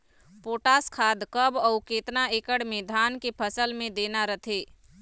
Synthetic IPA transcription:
poːʈaskʰaːd̪kəbɔʊkeːt̪naeːkəɽmẽd̪ʱaːnkepʰəsəlmẽd̪eːnaɾət̪ʰeː

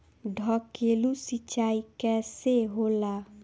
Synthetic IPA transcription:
ɖʱɔkelusit͡ʃaikɛseɦola

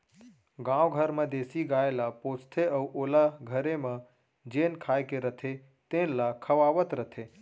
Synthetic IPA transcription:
ɡãːwɡʱəɾmẽd̪eːsiɡaːelapoːt͡ʃʰt̪ʰeəuʔoːlaɡʱəɾemẽ | d͡ʒenkʰaːjkeɾət̪ʰe | t̪ẽnlakʰəʋaːʋət̪ɾət̪ʰe

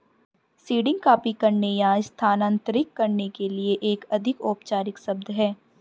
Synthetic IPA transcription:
siːɖɪ̃ŋɡkaːpikɐɾnejaːst̪ʰaːnə̃ːnt̪ɾɪkːɐɾnekelieʔeːkɐd̪ʱɪkoːpt͡ʃaːɾɪksɐbd̪ɦɛː

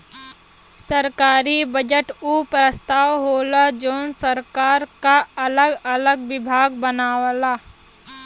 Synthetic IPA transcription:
səɾkaːɾibəd͡ʒəʈuːpɾəst̪ʰaːwɦoːlad͡ʒoːnsəɾkaːɾkaɐləɡələɡʋɪbʱaːɡ̚bənaːwlaː

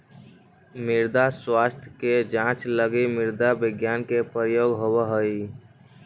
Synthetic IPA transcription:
miɾd̪aswast̪ʰjked͡ʒãt͡ʃləɡimiɾd̪abiɡjankepəɾjoɡɦowəɦəi

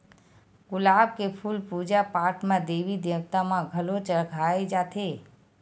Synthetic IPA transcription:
ɡʊlab̚kepʰulpud͡ʒapaːɾʈmãd̪eʋid̪eʋt̪amãɡʱəlot͡ʃəɭɡʱaed͡ʒat̪ʰe

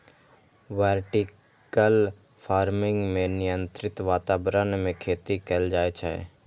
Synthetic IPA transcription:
ʋeːɾʈɪ | kəl | pʰaːɾmɪ̃ŋɡmẽnɪjə̃nt̪ɾɪt̪ʋaːt̪aːbɾənmẽkʰeːt̪ikeld͡ʒaːet͡ʃʰɛ̰ḛ

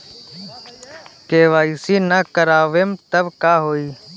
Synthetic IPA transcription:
keːʋaːiːsiːnəkəɾaːʋeːmt̪əbkaːɦoːiː

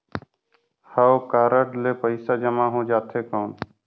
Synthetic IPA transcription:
haokaːɾəʈleːpəɪsaːd͡ʒəmaːɦõːd͡ʒaːt̪ʰeːkoːn

